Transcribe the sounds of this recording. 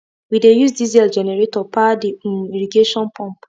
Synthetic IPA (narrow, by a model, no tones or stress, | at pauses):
widejusdizɛld͡ʒɛnɛɹetɔpadiiɹiɡeʃɔ̃npʰɔ̃mp